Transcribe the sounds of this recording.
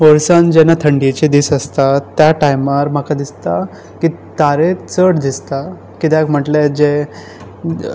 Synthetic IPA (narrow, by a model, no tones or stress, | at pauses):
oɾsand͡ʑɛnat̪ʰəɳɖit͡ɕed̪iːsəst̪at̪ːjaʈajmaɾm̤akad̪ist̪a | kit̪aɾet͡səɽd̪ist̪a | kit̪km̤əʈled͡ʑe